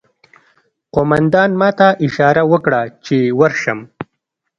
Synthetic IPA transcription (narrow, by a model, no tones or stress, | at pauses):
qomand̪ɑːnmɑt̪aʔɪʃɑːɾawəkɽat͡ʃewaɾʃəm